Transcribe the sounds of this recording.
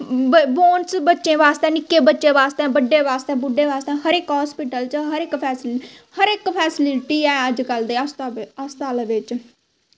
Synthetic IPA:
bboːnsbətːʃẽːʋaːst̪ẽːnɪkːeːbətːʃẽːʋaːst̪ɛ̃ːbəɖːeːʋaːst̪eːbʊɖeːʋaːst̪ɛ̃ːɦəɾɪkɦɔːspɪʈəlt͡ʃɦəɾɪkpʰɛːs | həɾɪkpʰɛːslɪʈiːɛːəd͡ʒkəld̪eːsəst̪aːlːʋɪt͡ʃ

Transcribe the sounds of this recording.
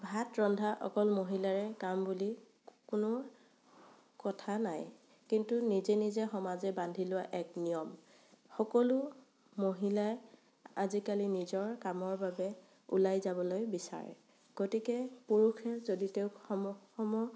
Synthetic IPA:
bʱatɹɔndʱaʔɔ̰kɔlmoɦilaɹɛkambuli | kʊnʊ | kɔtʰanaj | kintunizɛnizɛxɔmazɛbandʱilʊwaʔɛknijɔm | xɔkɔlʊ | moɦilaj | azikalinizɔɹkamɔɹbabɛ | ṵlajzabɔlojbisa̰ɹɛ̰ | ɡ̥otikɛpuɹuxʰɛzoditeʊɔxɔmɔ

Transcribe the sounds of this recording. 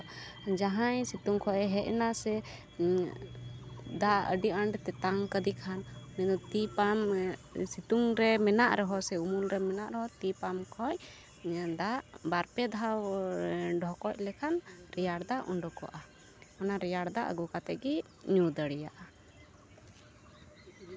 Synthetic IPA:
d͡ʒaɦajsit̪uŋkʰɔʔɛɦɛʔnasɛ | d̪aə̰ɖiʔaɳɖt̪ɛt̪aŋkəd̪ikʰanmɛd̪ɔt̪ipamsit̪uŋɾɛmɛnaʔɾɛɦɔsɛumulɾɛmɛnaʔɾɛɦɔt̪ipamkʰɔc | d̪aʔbaɾpɛd̪ʱaw | ɖʱɔkɔc̚lɛkʰanɾɛjaɽd̪aʔuɳɖɔkɔ̰ʔa | hɔnaɾɛjaɽd̪aʔə̰ɡukat̪ɛʔɡi | ɲud̪əɽɛjaʔa

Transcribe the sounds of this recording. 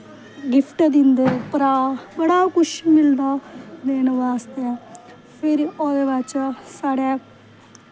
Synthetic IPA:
ɡɪpʰʈd̪ɪnd̪eːpəɾaːbəɽaːkʊʃimɪld̪aːd̪eːnʋaːst̪e | pʰɪɾoːd̪eːʋət͡ʃsaːɽeː

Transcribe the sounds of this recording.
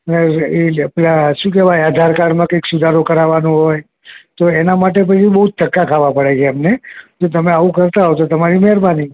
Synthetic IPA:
əneeaplaʃũk̬ɛʋajad̪ʱaɾkaɽmãkəjksud̪ʱaɾokəɾaʋanõɦoj | t̪oenamaʈ̬ep̬ət͡ʃʰibəɦud͡ʒ̚t̪əkːakʰaʋapəɽet͡ʃʰeamned͡ʒot̪əmeaʋũkəɾt̪aɦot̪ot̪əmaɾimɛɾbani

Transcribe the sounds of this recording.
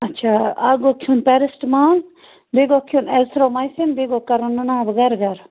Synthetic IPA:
ɐtːt͡ʃʰaːaɡokʰjunpɛɾɪsʈmaːn | beɡokʰjunɛsɾomɐjsinbeɡokɐɾunːunaːbɡɐɾɡɐɾ

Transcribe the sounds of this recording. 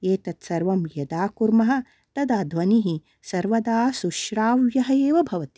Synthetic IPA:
eːt̪ɐt̪sɐɾʋɐmjɐd̪aːkuɾmɐɦɐ̆ | t̪ɐd̪aːd̪ʱʋɐniɦi | sɐɾʋɐd̪aːsuʃɾaːʋjɐɦɐeːʋɐbʱɐʋɐt̪i̥

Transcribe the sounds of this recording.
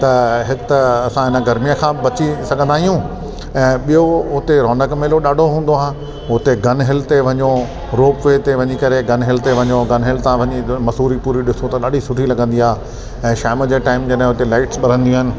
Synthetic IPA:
t̪ɐɦɪt̪ɐsãɦɪnə̆ɡɐɾmijəkʰãːbɐt͡ɕisɐɡʱə̃nd̪aːɦijũ | ɛ̃ːɓijoʊt̪eɾɔːnəkmeːloɗaːɖʱoɦũːnd̪oaːɦɪ̃ | ʊt̪eɡɐnɦɪlt̪eʋɐɲo | ɾoːpʋeːt̪eʋɐɲikɐɾeɡɐnɦɪlt̪eʋɐɲoɡɐnɦɪlt̪ãʋɐɲimɐsuːɾipuːɾiɗɪsot̪ɐɗaːɖʱisʊʈʰilɐɡə̃nd̪iaːɦe | ɛ̃ːʃaːməd͡ʑeːʈaːɪmd͡ʑɐɗɦɪ̃ɦʊt̪elaːɪʈsɓɐɾ̤ə̃nd̪ijũɦɪnɪ̆

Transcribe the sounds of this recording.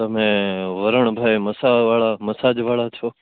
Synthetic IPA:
t̪əmẽːʋəɾəɳ̃bʱaːeməsaːʋaːɭaːməsaːd͡ʒʋaːɭaːt͡ʃʰoː

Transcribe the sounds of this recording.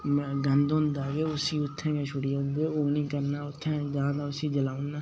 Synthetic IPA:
mːɡə̃nd̪ʊ̃nd̪aːɡeːʊsiːʊt̪ʰːẽːkẽʃʰʊɽiːʊ̃nd̪eːoːnĩːkəɾnaːʊt̪ʰːɛ̃ːd͡ʒãːd̪aːʊsĩːd͡ʒəlaːʊnnaː

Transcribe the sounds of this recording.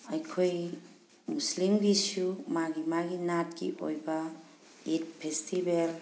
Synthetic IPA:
ajkʰoj | muslimɡisumaɡimaɡinat̚kḭʔo̰jba | it̚pʰestʰibel

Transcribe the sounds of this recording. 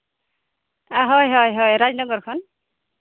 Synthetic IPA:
aɦɔjɦɔjɦɔjɾad͡ʒnɔɡɔɹkʰɔn

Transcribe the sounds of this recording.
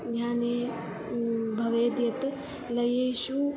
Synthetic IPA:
ɡʱjãːneː | bʱɐʋeːd̪jɐt̪ | lɐjeːʃu

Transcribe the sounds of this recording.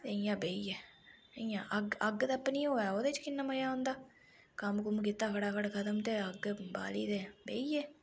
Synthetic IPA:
t̪eɪjãːbeːiːɛːijãːʔəɡəɡt̪ːpniːɦoːɛːoːd̪et͡ʃkɪnːaːməjaːʊ̃ːnd̪aː | kəmkʊmkit̪ːaːkʰəɽaːkʰəɽkʰət̪əmt̪eːəɡba̰ːliːd̪eːbḛːiːɛː

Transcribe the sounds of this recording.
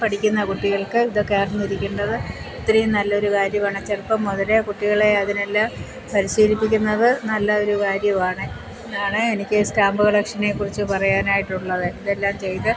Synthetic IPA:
pɐʈʰikʲːunːɐkuʈːiɣɐɭkɨiðokːeːrɐnːiɾikʲːuɳɖɐðɨ | et̪ːɾejumnɐlːɐo̞ɾukaːɾjɐmɐːɳɨt͡ɕːerpɐmoðɐlekuʈːiɣɐɭeɐðine̞lːaːm | pɐɾiɕiːɾipːikʲːunːɐðɨnɐlːɐo̞ɾukaːɾjɐmaːɳɨ | aːɳɨenikʲːɨstaːmbuɣɐɭekʂɐnekːurit͡ɕːɨpɐrɐjaːnaːjiʈːuɭːɐðɨiðelːaːmt͡ɕe̞jt̪ɨ

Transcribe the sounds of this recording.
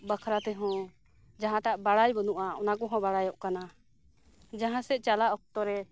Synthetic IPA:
bakʰɾat̪ɛɦɔ̃ | d͡ʒaɦãʈaʔbaɽajbɔnuʔaɔ̰nakɔɦɔ̃baɽajɔʔkana | d͡ʒaɦãsɛʔˀt͡ʃalaʔɔk̚t̪ɔɾɛ

